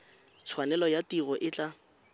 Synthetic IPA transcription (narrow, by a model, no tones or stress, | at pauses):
t͡sʰwanɛlɔjatiɣɔʔɪt͡ɬʼa